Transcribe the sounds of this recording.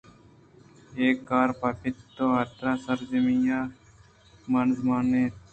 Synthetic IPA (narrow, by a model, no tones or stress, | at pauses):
eːkːaːɾpapɪt̪ːoːɦaːt̪ɾaːsəɾd͡ʒəmijaː | mɐnzmaːneːt̪